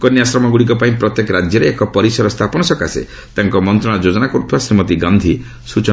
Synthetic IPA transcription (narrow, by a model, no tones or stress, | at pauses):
kɔnjasɾɔmɔɡuɽik̬ɔpaĩpɾɔt̪jekɔɾad͡ʒjɔɾeːkɔpɔɾisɔɾɔst̪ʰapɔñɔsɔkʰasḛ | t̪aŋkɔmɔnt̪ɾɔɽ̃ɔd͡ʒod͡ʒɔnakɔɾut̪ʰibasɾimɔt̪iɡand̪ʱi | sut͡ʃɔ